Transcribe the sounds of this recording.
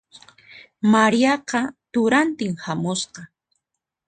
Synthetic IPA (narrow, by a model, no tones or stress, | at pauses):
maɾijɑqɑt̪ʊɾant̪ɪŋhamʊsqɑ